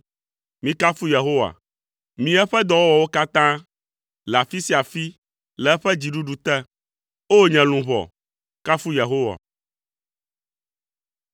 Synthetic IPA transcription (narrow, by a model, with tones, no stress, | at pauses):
mĩ˦ka˦fu˦je˨ɦo˦wa̰˨ | mĩ˨ɛ˦ɸɛ˦d̪ɔ˨wɔ˦wɔ˨wo˦ka˦t̪ã˦ | lɛ˨a˨fi˦si˦a˨fi˦ | lɛ˨ɛ˦ɸɛ˦d͡ʑi˨ɖu˦ɖu˨t̪ɛ˦ | o˦ɲɛ̃˨lũ˨βɔ̰˨ | ka˦fu˦je˨ɦo˦wa̰˨